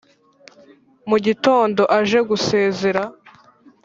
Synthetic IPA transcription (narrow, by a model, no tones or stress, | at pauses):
muɟito̞ːndo̞ʔaʒe̞ɡuse̞ːze̞ɾa